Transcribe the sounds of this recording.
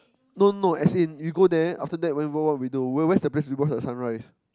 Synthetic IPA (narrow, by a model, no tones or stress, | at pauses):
nononoɛsĩnwiɡodɛa̰ftədɛt̚wɛ̃nwiwɔwɔt̚widuwɛwɛsdəpleswibɔsdəsãnɹaɪs